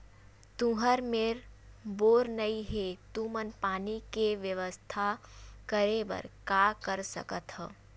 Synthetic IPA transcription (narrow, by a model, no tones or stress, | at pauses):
t̪ũɦəɾmeːɾboːɾnɐiɦet̪umənpaːnikeʋjəʋəst̪ʰakəɾebə̰ɾkaːkəɾsə̰kət̪ɦɛː